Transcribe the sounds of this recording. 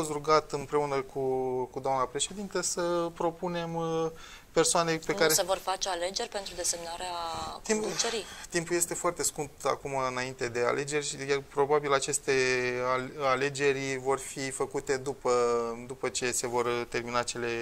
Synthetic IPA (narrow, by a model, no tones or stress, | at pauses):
os̬t̪ɾuɡat̪ɨnpɾe̞unəkʰukud̪oamnapɾe̞ʃe̞d̪int̪əsəpɾo̞pune̞m | pe̞rsoane̞pekaɾesevorfat͡ʃealed͡ʒe̞rʲpe̞nt̪ɾud̪e̞se̞mnaɾeat̪imt͡ʃeɾit̪impuje̞st̪e̞foart̪e̞skump̚t̪a̰kumaɨnaint̪e̞d̪e̞a̰lʔe̞d͡ʒe̞rʲjarpɾo̞babilat͡ʃe̞st̪e̞aale̞d͡ʒe̞ɾʲvo̞rfifəkut̪e̞d̪upəd̪upət͡ʃe̞se̞vo̞rt̪e̞rminat͡ʃe̞le̞